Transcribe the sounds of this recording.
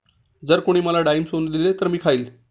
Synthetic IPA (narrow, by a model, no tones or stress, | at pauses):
d͡zəɾkoɽ̃iːməlaɖaimsond̪ilet̪əɾmiːkʰaiːl